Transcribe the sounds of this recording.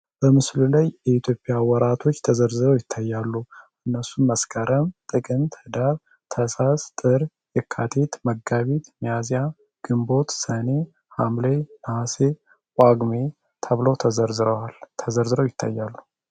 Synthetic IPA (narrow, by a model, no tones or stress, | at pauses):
b̥əmɨslulajjɛit̪ʰjo̞pʼɪjawɔɾat̪ʰo̞t͡ʃːt̪ʰəzəɾzɨɾəwjɪt̪ʰːajːalːuʔɨnːəsunməskʰəɾʔəmt̪ʼɨkʼɨnt̪hɨd̪aɾ | t̪ʰəsast̪ʼɨɾ | jɛkʰːat̪ʰet̪məɡaβit̪mijazja | ɡ̥ɨmbo̞t̪səne | hamlenahase | kʷʼaɡme | t̪ʰəβlowt̪ʰəzəɾzɨɾəwalt̪ʰəzəɾzɨɾəwjɪt̪ʰːa̰jːalːu